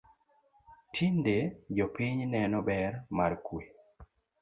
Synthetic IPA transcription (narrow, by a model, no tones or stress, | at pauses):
tʰinded͡ʒɔpiɲnɛnɔbɛɾmaɾkwe